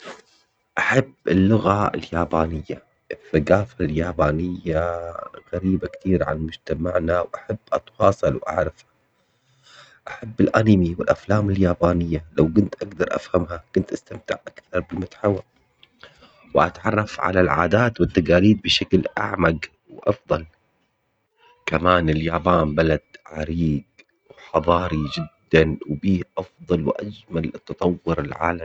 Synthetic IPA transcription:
ʔaħabːɪ̰lːʊɣaɪ̰ljaːbaːnɪjːa | ʔθaɡaːfaljaːbaːnɪjːaɣaɾiːbakt̪iːɾʕa̰nmʊd͡ʒt̪amaʕnawʔaħab̥ːʔɑt̪wɑːsˤɑlwʔa̰ʕɾˤɑfha | ʔaħabːɪlʔanimiwɪlʔaflaːmɪljaːbaːnɪjːalawkʊnt̪ʔaɡd̪ɑɾˤʔa̰fhamhakʊnt̪ʔast̪amt̪ɪʕʔakθɑɾˤbɪlmʊt̪ħawa | wʔa̰t̪ʕɑrˤːɑfʕa̰lalʕa̰ːd̪aːt̪wɪt̪ːaɡaːliːd̪̚bɪʃaklʔa̰ʕmaɡ | wʔɑfðˤɑl | kamaːnɪljaːbaːnbalad̪̥ʕaɾiːɡ | wħɑðˤɑːɾid͡ʒɪd̪ːanwbiːhʔɑfðˤɑlwʔa̰d͡ʒmalt̪ːɑt̪ˤɑwːʊɾɪlʕa̰ːla

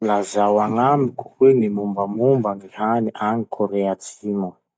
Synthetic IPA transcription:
lazawaŋamiku̥hwenimumbamumbaŋihaniʔaŋikʰoɾeat͡simu

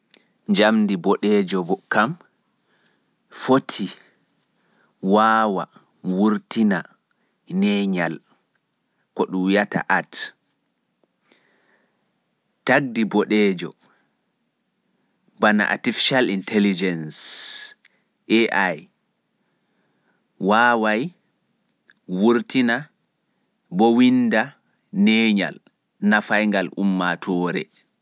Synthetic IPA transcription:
ɲd͡ʒamdibɔɗɛd͡ʒɔbɔkam | fotʰi | waːwa̰ | wuɾtina | nɛɲal | kɔɗujata̰ʔat | taɡ̚dibɔɗɛd͡ʒɔ̰ | bana̰ʔa̰tifi̥ʃalintʰɛlid͡ʒɛns | ʔɛʔaj | waːwaj | wuɾtina | bɔwinda | nɛːɲa̰l | nafajŋɡalʔṵmːatʰɔːɾɛ̰

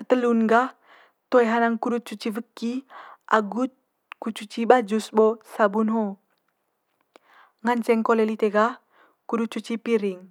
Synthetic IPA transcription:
ət̪əlunɡa | t̪ojɦanaŋkuɾut͡ʃut͡ʃivəkːiʔa̰ɡut̪̚ | kut͡ʃut͡ʃiɓad͡ʒusbosabunɦo | ŋant͡ʃɛŋkolelit̪eɡah | kudut͡ʃut͡ʃipiɾiŋ

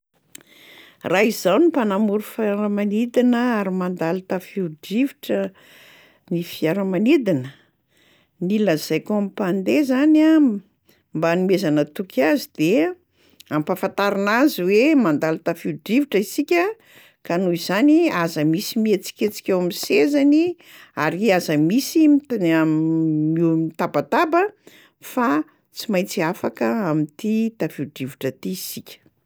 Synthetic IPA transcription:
raizawnipanamuɾufaɾəmanid̪inəaɾimand̪alit̪afiuɖ͡ʐiviʈ͡ʂə | nifijaɾəmanid̪inə | niləz̥ajkamipand̪ezana | mbanimezanət̪ukʰʲazid̪̥e | ampafant̪aɾinaziwemand̪alut̪afiuɖ͡ʐiviʈ͡ʂəisikʲə | kanuiz̥aniazəmisimiet͡si̥kʲet͡si̥kʲewamisezani | aɾiazəmisima | imit̪abat̪abə | fa | t͡simajt͡siafakəamint̪it̪afiɖ͡ʐiviʈ͡ʂət̪iisikʲə̥

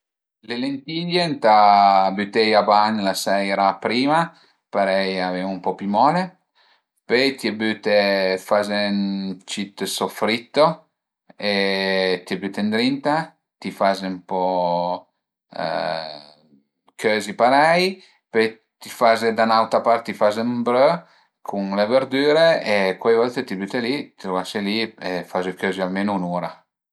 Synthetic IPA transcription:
lelent̪iʎent̪abyt̪ejabaɲlasɛjɾapɾiːma | paɾɛjaveumpɔpymɔːle | pet̪iabyt̪efazent͡ʃit̪sofɾit̪ːo | et̪iabyt̪end̪ɾint̪a | t̪ifazempɔ | kʰøːzipaɾaj | pøj | t̪ifazed̪anawt̪ɾapaɾt̪ːifazembɾø | kʰuŋleveɾd̪yːɾeekwajvɔlt̪et̪ibyt̪elit̪it̪ɾovaseliefazekøzialmenonuːɾa

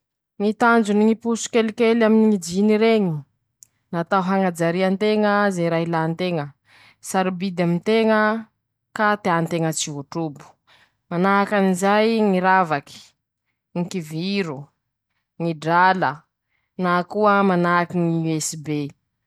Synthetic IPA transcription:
ŋit̪and͡ʒuniŋipusu̥kelikelaminiŋid͡ʒiniɾeɲi | nat̪auɦaŋad͡zaɾiant̪eŋəzeɾaɦilant̪eŋə | saɾibid̪amint̪eŋə | kat̪eant̪eŋət͡siuʈ͡ʂubu̥ | manaakanizajŋiɾavaki̥ | ŋikiviɾu | ŋiɖ͡ʐalə | nakuəmanakiŋiuɛsibe

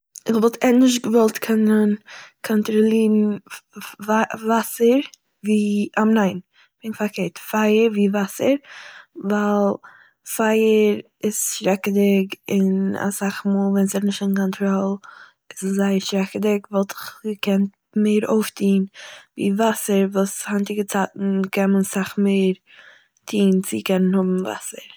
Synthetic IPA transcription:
ɪχvɔlˠtʰɛnɪʃ̬tɡəvɔlˠtkʰɛnənkʰɔntɾɔlˠiːɾn̩ | vavasəɾ | viːamnaɪn | b̥ɪnfaɾkʰeːɾtfaɪəɾviːvasəɾvaɪlˠ | faɪəɾ | ɪsʃɾɛkədɪkɪna̰saχmuːlˠvɛnsɛtnɪʃtɪnkɔntʰɾɔlˠ | ɪszaɪəɾʃɾɛkədɪkvalˠtɪ̥χkʰɛnt | meɪɾoʊftʰiːnvḭːvasəɾvuːshantɪɡət͡saːtn̩kʰɛmənsaχmeɪɾ | tʰiːnt͡sɪkɛnənhʊbm̩va̰səɾ

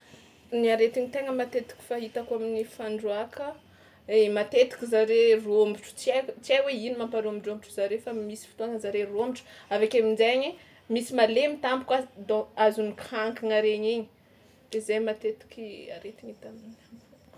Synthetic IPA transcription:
niaɾet̪iɲit̪eŋəmat̪et̪i̥kʲi̥faɦit̪akaminifaɳɖ͡ʐuakə | emat̪et̪i̥kʲizaɾerombiʈ͡ʂu̥t͡siat͡siajweinimampaɾombiɖ͡ʐombiʈ͡ʂuzaɾefamisi̥fu̥t̪oaŋəzaɾerombiʈ͡ʂavekemind͡ʒeɲi | misimalemit̪ambu̥kad̪oazunikhaŋkiŋaɾeɲiɲi̥ | d̥ezajmat̪et̪i̥kʲia̰ɾet̪iɲit̪aminam

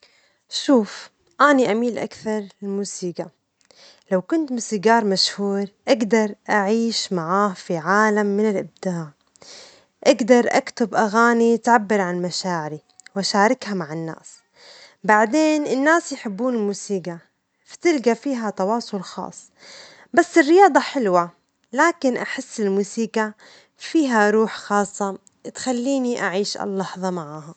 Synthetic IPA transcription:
ʃuːf | ʔaːniʔamiːlʔa̰kθɑɾˤɪlmuːsiːɡa | lawkʊnt̪muːsiːɡɑːɾˤmaʃhuːɾʔaɡd̪ɑɾˤʔaʕiːʃmaʕaːhfiʕaːlamːɪnɪlʔɪb̚d̪aːʕ | ʔaɡd̪ɑɾˤʔa̰kt̪ʊbʔaɣaːnit̪ʕabːɪɾʕannmaʃaːʕɪɾi | wʔaʃaːɾˤɪkhamaʕɪnːa̰ːs | baʕd̪eːnʔɪnːaːsjħɪbːuːnɪlmuːsiːɡa | fḁt̪ɪlɡafiːɦat̪ɑwɑːsˤʊlxɑ̰ːsˤː | basːɪrːɪjɑːd̪ˤɑħɪlwa | laːkɪnʔaħɪsːɪlmuːsiːɡa | fiːɦaɾˤuːħxɑːsˤːɑ | t̪xalːiːniʔaʕiːʃʔɑ̰lːɑħðˤɑmaʕaha

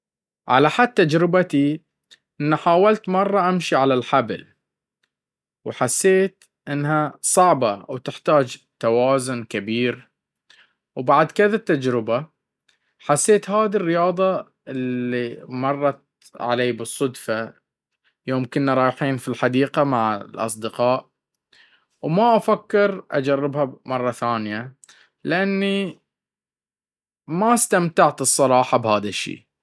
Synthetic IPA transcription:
ʕa̰laħad̪̚t̪ːad͡ʒɾɪbat̪i | ʔɪnːaħaːwalt̪mɑrˤːɑʔamʃiʕalalħabl | wħasːeːt̪ | ʔɪnːɦasˤɑʕbɑwt̪ɪħt̪aːd͡ʒt̪awɑːzʊnkabiːɾ | wbaʕd̪kɪðat̪ːad͡ʒɾɪba | ħasːeːt̪haːd̪irːɪjɑːðˤɑ | ʔɪlːimɑrˤːɑt̪̚ | ʕa̰leːbɨsˤːʊd̪fa | joːmkʊnːaɾˤɑːjħiːnfilħad̪iːqamaʕlʔɑ̰s̬ˤd̪ɪqɑːʔ | wmaʔafakːɪɾʔa̰d͡ʒarːɪbhamɑrˤːɑθaːnja | lɪʔanːi | mast̪amt̪aʕt̪ɨsˤːɑɾˤɑːħɑbhaːðaʃːḭː

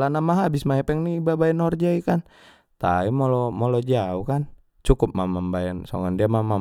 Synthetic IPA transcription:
lanamaɦabismaɦɛpɛŋnibabaɛnhɔrd͡ʒaikan | t̪a̰imɔlɔmɔlɔd͡ʒaukan | t͡ʃukup̚mamambajansɔ̰ŋɔndiamama

